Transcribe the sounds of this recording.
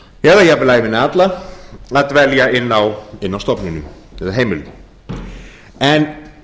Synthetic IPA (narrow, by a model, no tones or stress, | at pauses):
jɛðajɛaplaːjvɪnat̪laaðt̪vɛljaɪnːawɪnːawst̪ɔpninʏm | ɛt̪aɦejmɪlʏ | ɛn